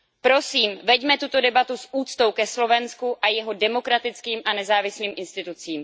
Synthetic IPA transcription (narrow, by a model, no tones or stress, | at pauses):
pɾo̞siːmvɛɟmɛt̪ut̪o̞dɛbat̪usʔuːt͡st̪owkɛslo̞vɛnskuʔajɛɦo̞dɛmo̞kɾat̪ɪt͡skiːmʔanɛzaːvɪsliːmʔɪnst̪ɪt̪ut͡siːm